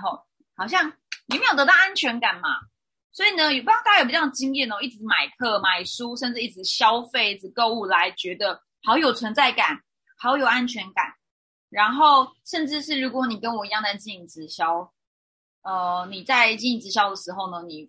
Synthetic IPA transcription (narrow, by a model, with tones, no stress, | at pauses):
o˥˩ʊ | hɑ˨˩ʊɕ̬jɑ˥˩ŋ | ni˨˩me˧˥jt̪ə˧˥t̪ɑ˥ʊa˦˥nt͡ɕʰɥɛ˧˥nka˨˩nma˩ | swɔ˧˥i˨˩nə˧˦jo˨˩pt̪ːt͡ɕi˥ŋjiɛ˥˩n˧xo˥˧˦i˥˩ɻ̩˧˦ma˨˩ɪkʰɤ˥˩ma˨˩ɪʂu˥ʂə˥˧nʈ͡ʂɻ̩˥˧i˥˩ɻ̩˧˥ɕjɑ˥˦ʊfe˥˧ɪi˥˩t͡sɻ̩˧˩ko˥˧ʊu˥˩la˧˦ɪt͡ɕɥɛ˧˥d̪ə˨ | hɑ˧˥ʊjo˨˩ʊt͡sʰwə˧˥nt͡sa˥˩ɪka˨˩˦n | ha˨˧˥jo˧˥jo˨˩ʊa˦nt͡ɕʰɥɛ˧˥nka̰˨˩˦n | ɻa˧˦nxo˥˨˩ʊʂə˥˧nʈ͡ʂɻ̩˥˧ʂɻ̩˥˩ɻu˧˥kwɔ˨˧˦ni˨˩kə˦˥nwɔ˨˩i˧˦jɑ˥˧ŋta˥˧ɪt͡ɕi˥˩i˨˥˩t͡sɻ̩˧˥ɕjɑ˥˦ʊ | ə˧ni˨˩t͡sa˥˧ɪt͡ɕi˥˩i˧˥˩t͡sɻ̩˧˩ɕjɑ˥ʊd̪ə˨ʂɻ̩˧˦xo˥˩ʊnə˦ni˨˩